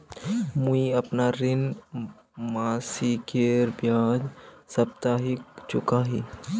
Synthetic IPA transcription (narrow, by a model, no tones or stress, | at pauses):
muiɐpnaɾɪn | maːsikeːɾbjãːd͡ʒ | sɐp̚t̪aːɦɪk̚t͡ʃʊkaːɦiː